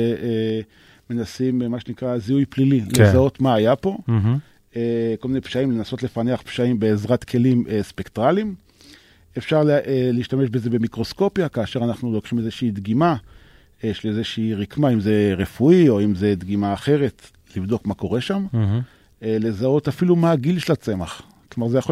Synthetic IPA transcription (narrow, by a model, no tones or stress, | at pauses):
e | me̞nasimmaʃenikʁaziujplilillezao̞t̪maːjapo̞ | ekolminejpʃaimlenaso̞tle̞faneaχpʃaimbe̞ːzʁat̪kʰe̞limespektʁalim | efʃaʁlliːʃtame̞ʃbeze̞be̞mikʁo̞sko̞pjakaːʃe̞ʁanaχnulo̞kχimezeʃiːd̪ɡima | ʃelezeʃiːʁikmaimze̞ʁefuio̞imze̞d̪ɡimaːχe̞ʁet | livd̪o̞kmako̞ʁe̞ʃam | le̞zao̞tafilumaɡilʃelat͡se̞maχ | klomaʁzejaχo